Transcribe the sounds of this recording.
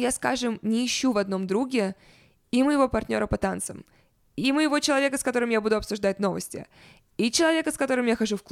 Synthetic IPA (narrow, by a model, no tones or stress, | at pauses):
jaskaʐɨmnʲɪːɕːuvɐd̪no̞md̪ɾuɡʲɪ | iməjɪvo̞pɐrtʲnʲo̞ɾəpɐt̪ant̪sə̰m | iməjɪvo̞t͡ɕɪlˠɐvʲe̞kəskɐt̪o̞ɾɨmjabud̪ʊɐpsʊʐd̪at̚ʲno̞və̰sʲtʲɪ̰ | it͡ɕɪlˠɐvʲe̞kəskɐt̪o̞ɾɨmjaxɐʐufk